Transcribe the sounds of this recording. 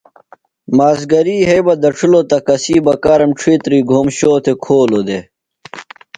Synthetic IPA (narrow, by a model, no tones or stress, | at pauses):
maːzɡɐɾiːɦejbɐd̪ɐʈ͡ʂʰulot̪ɐkɐsiːbɐkaːɾɐmʈ͡ʂʰiːt̪ɾiːɡʱoːmɕoːt̪ʰekʰoːlod̪e